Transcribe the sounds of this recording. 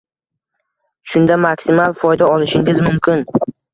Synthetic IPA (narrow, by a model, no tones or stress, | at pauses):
ʃʊnd̪amakʲsɪmalˠfɒjd̪aɒlˠɪʃɪŋʲɪzmʊmkʲʰɪn